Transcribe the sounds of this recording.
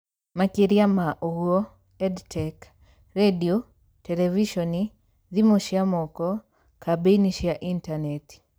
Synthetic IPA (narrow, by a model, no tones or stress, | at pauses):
makiɾjamaʔoɡuo | ɛdtʰɛk | redio | tɛlɛviʃɔni | ðimuʃiamɔkɔ | kʰabeniʃjaʔintanet